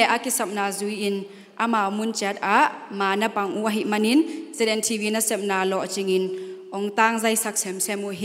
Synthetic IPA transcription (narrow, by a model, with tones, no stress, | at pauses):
ɛ˨ʔa˨ki˨sɐ˨p̚na˨zu˨˦ji˨n | ʔa˧ma˨mu˦˨nt͡ʃɛ˧˦t̪̚a˧˦ʔma˨nɐ˦pa˨ŋʔu˦ʔa˧ɦi˨ʔmɐ˧ni˦nzɛ˦dɛ˨ntʰi˧vi˦nɐ˦sɛ˨p̚naː˨lɔ˨ʔt͡ʃi˧ŋi˨nʔɔ˨ŋt̪a˧ŋzɐ˧jsa˧k̚sɛ˨msɛ˧mu˧˨ʔɦi˦